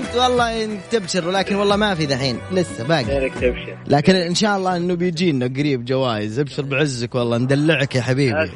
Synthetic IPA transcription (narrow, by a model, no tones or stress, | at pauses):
nt̪wɑlˤːɑːnt̪ɪbʃɪɾwlaːkɪnwɑlˤːɑːmafiðaħiːnlɪsːabaːɡt̪ɪbʃ | lʔaːkɪnʔɪnʃaːʔɑlˤːɑːʔɪnːubɪjd͡ʒiːnːaɡaɾiːbd͡ʒawaːjɪzɪbʃɪɾˤbɪʕɪzːakwɑlˤːɑːnd̪alːɪʕkjaħabiːbḭ